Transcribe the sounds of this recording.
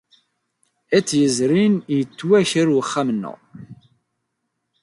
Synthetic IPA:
æt͡sːjəzɾinjət͡sːwæçəɾwəχːæmnːʊ̰

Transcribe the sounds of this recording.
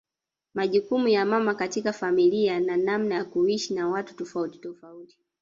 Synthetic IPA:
maʄukumujamamakatikafamiliananam̩najakuiʃinawatu̥tɔfauti̥tɔfauti̥

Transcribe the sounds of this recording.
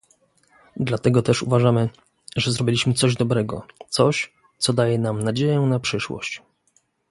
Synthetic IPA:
d̪lat̪ɛɡɔt̪ɛʂṵvaʐamɘ | ʐɛzɾɔbʲilʲiɕmɘt̪sɔʑd̪ɔbɾɛɡɔ̰t̪sɔɕ | t̪sɔd̪ajɛnamnad͡ʑejɛnapʂɘʂwɔ̰ɕt͡ɕ

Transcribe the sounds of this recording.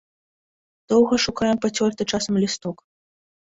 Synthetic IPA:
d̪̥ɔwɣɐʂukajɛmpɐt͡sʲɔrt̪ɨt͡ʂasɐmlʲist̪ɔk

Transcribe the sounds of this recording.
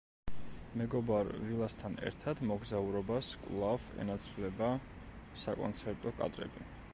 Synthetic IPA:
mɛɡɔbaɾvilˠast̪ʰanɛ̰ɾt̪ʰad̪mɔɡzauɾɔbaskʼwlˠavɛ̰nat̪sʰlɛba | sakʼɔ̰nt̪sʰɛɾt̪ʼɔkʼa̰d̪ɾɛ̰bi

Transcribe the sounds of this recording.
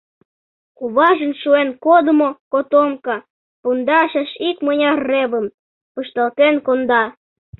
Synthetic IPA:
kuβɑʒə̆nʃuenkod̪əmokot̪omkɑ | pund̪ɑʃɑʃikmənʲɑrːeβə̆m | pəʃt̪ɑlt̪enkond̪ɑ

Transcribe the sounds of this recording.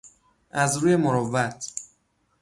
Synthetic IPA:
ʔæzɾuːje̞moɾovæt̪ʰ

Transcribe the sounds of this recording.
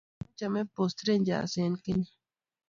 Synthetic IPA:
t͡ʃɐmẽpoːst̪ɾend͡ʒa̰ːseːnkini

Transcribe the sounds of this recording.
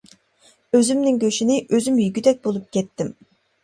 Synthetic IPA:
øzymnɪŋkʲøʃinɪʔøzymjyɡʲyd̪ɛk̚ʲbolˠup̚kʲʰɛt̪ːɪm

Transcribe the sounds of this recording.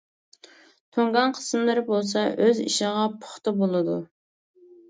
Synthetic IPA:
t̪ʰoŋɡɑnqʰə̥smlˠɨɾɨbolˠs̬ɑʔøzḭʃɪʁɑpʰʊ̥χt̪ɨbolˠɨd̪u

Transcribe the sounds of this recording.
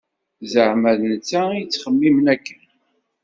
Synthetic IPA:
zəʕmæðnət͡sːæijt͡sːχəmːimnækːən

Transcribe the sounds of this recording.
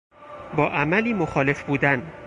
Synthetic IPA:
bɒːʔæmæliːmoxɒːle̞fbuːd̪æn

